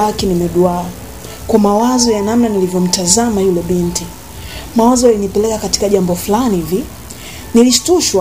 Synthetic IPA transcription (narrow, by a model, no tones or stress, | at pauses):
akinimɛɗuaa | kamawazɔjanamnanilivjɔm̩tazamahilɛɓinti | mawazɔjalinipɛlɛkakati̥kaʄambɔfulanivi | niliʃtuʃwa